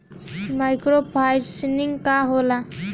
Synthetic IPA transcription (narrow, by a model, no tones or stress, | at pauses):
majkɾopʰajɖsiniŋkaɦola